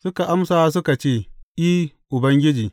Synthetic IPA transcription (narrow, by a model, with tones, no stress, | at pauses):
sʊ˦ka˨ʔa˦msaː˨˦s̬ʊ˦ka˨t͡ʃeː˦˨ʔiː˦ | ʔʊ˨bɐ˦ŋɡʲɪ˦d͡ʒiː˨